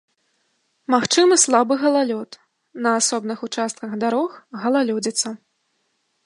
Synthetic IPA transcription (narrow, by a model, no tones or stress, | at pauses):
maxt͡ʂɨmɨslˠabɨɣɐlˠalʲɔt̪ | nɐːsɔbnɨxut͡ʂast̪̚kɐɣd̪aɾɔxɣɐlˠalʲɔd͡zʲit̪sːɐ